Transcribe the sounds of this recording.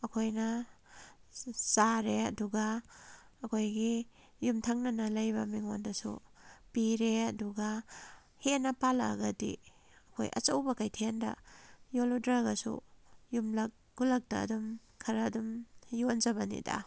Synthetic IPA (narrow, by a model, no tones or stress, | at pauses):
ɐkʰojnɐ | saɾeɐduɡaː | kʰojɡi | jumtʰaŋnɐnɐlɐjbɐmiŋondɐsṵpiɾeɐduɡa | henːɐpala̰ɡɐdḭ | ɐkʰo̰jʔɐ̰t͡ʃowbɐkajtʰiendɐ̰joludɾaɡɐsṵjumlɐk̚ | ɡulɐk̚tɐ̰ːdum | kʰɐɾɐdumjonzɐβɐnḭda̰